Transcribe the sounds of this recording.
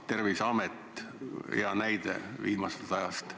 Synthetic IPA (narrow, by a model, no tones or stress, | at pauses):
t̪e̞rvisɑmet̪ːj̰jɑnæjd̪̥ḛviːmɑse̥lt̪ɑjɑst̪